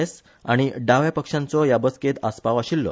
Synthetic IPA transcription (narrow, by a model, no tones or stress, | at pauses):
es | aɽ̃iɖaʋjapəkʂãnt͡sɔjabəsket̪aspaʋaɕilːɔ̰